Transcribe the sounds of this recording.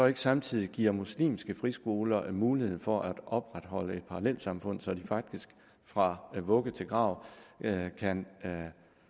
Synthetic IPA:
ɒ̽e̝ɡ̥əsɑ̈mt͡sʰið̰ˠiɡ̥ḭɐ̰muslḭːmsɡ̥əfʁisɡ̥o̝ːlɐmuːlihe̝ð̰ˠn̩fɒ̽ʔæd̥ɒ̽b̥ʁad̥ɦɒ̽ləe̝d̥̚pʰɑ̈ɑlel̰sɑ̈mfɔ̽n̰sɒ̽d̥ifɑ̈ɡ̥̚d̥isɡ̥ | fʁɑ̈ʋɔ̽ɡ̥ət͡sʰe̝lɡ̥ʁɑ̈ʊ̰ | kʰæn

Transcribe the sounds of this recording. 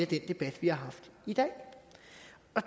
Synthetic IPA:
æd̥end̥e̝b̥æd̥ʋihɑ̈ɦɑ̈fd̥id̥ɛ̰ː | ɒ̽

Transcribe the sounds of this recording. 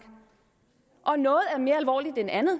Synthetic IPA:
ɡ̥ | ʔɒ̽nɔ̽ːð̞̩ˠæɐme̝ːɐælʋɒ̰ːli̥d̥enænð̩ˠ

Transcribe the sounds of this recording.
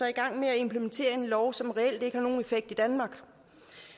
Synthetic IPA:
ɒiɡ̥ɑ̈ŋ̰meæe̝mpʰlement͡sʰe̝̰ːɐe̝nlɒʊsɒ̽mʁɛel̰d̥e̝ɡ̥əhɑ̈no̝ːn̩e̝feɡ̥̚d̥id̥ænmɑ̈ːɡ̥

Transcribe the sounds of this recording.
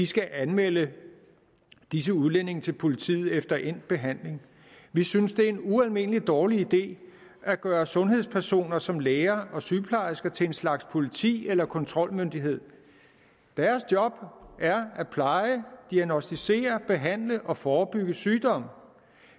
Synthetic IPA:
ʋisɡ̥æʔænmelə | d̥is̬əuð̞ˠlen̰e̝ŋt͡sʰe̝lpʰo̝lit͡sʰḭːð̞̩ˠefd̥ɐʔen̰̥̚b̥e̝ɦæn̰le̝ŋ | ʋisynsd̥e̝ɐe̝nuælme̝n̰əlid̥ɒːliid̥e̝̰ː | ʔæɡ̥ɶːɐsɔ̽nɦe̝ð̞̰ˠspʰæɐso̝̰ːnɐsɒ̽mleːɐʔɒ̽syːpʰlɑ̈ɪsɡ̥ɐt͡sʰe̝e̝nslɑ̈ɡ̥spʰo̝lit͡sʰḭːelɐkʰɒ̽nt͡sʰʁɒ̽lmønd̥iɦe̝ð̞̰ˠ | d̥æɐsd̥jɒ̽b̥æɐæpʰlɑ̈ɪəd̥iæɡnosd̥ise̝̰ːɐb̥e̝ɦæn̰ləʔɒ̽fɒːb̥yɡ̥əsyːd̥ɒ̽m̰

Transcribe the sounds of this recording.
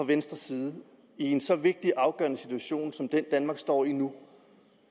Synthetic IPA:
ɒ̽ʋensd̥ʁɐsiːð̩ˠ | ie̝nsɒ̽ʋe̝ɡ̥̚d̥iʔɑ̈ʊɡ̥ɶ̰ɐnəsit͡sʰuæɕo̝̰ːnsɒ̽md̥end̥ænmɑ̈ːɡ̥sd̥ɒ̰ːinu

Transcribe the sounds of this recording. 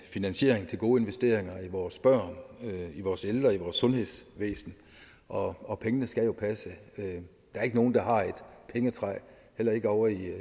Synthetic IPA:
finænɕe̝̰ɐ̰eŋt͡sʰe̝lɡo̝ːe̝nʋesd̥e̝̰ɐeŋɐiʋɒːsb̥ɶɐ̰niʋɒːseld̥ʁɐiʋɒːsːɔ̽nhe̝ðˠsʋḛːsn̩ | ʔɒ̽ɒ̽pʰeŋənəsɡ̥æjo̝pʰæsəø | d̥ɑ̈æɐe̝ɡəno̝ːn̩d̥ɑ̈ɦɑ̈e̝d̥pʰeŋət͡sʰʁɑɪ̰ | hel̰ɐe̝ɡ̥əɒʊɐi

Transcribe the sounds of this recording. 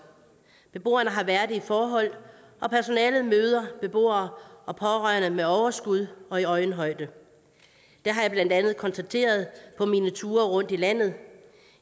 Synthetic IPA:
b̥e̝b̥o̝̰ːɐnəɦɑ̈ʋæɐd̥ˠifɒːɦɒ̽l̰ | ʔɒ̽pʰæɐso̝nɛːlð̩ˠmøːð̞ˠɐb̥e̝b̥o̝̰ːɐːɒ̽pʰɒ̽ʁɶɐnəmeɒʊɐsɡ̥uð̞ˠɒ̽iɒ̽ɪn̩ɦɒ̽ɪ̰d̥ə | d̥æɐɦɑ̈jäɪb̥lænd̥ænð̞̩ˠkʰɒ̽nsd̥æt͡sʰe̝̰ːɐð̞̩ˠpʰɒ̽miːnət͡sʰuːɐʁɔ̽n̰d̥ilæn̰ð̩ˠ

